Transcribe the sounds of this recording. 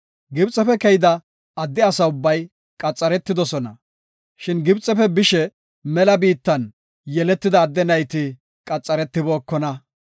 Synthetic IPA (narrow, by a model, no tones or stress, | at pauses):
ɡɪbt͡sʼɛpɛkɛjɪd̪ɐː | d̪ːɪɐsɐʊbːɐj | kʼɐt͡sʼːɐɾɛt̪ːɪd̪ɔsɔnɐ | ʃɪnɡɪbt͡sʼɛpɛbɪʃɛ | mɛlɐbiːt̪ːɐn | jɛlɛt̪ːɪd̪ɐːd̪ːɛnɐjt̪ɪ | kʼɐt͡sʼːɐɾɛt̪ːɪboːkːɔnɐ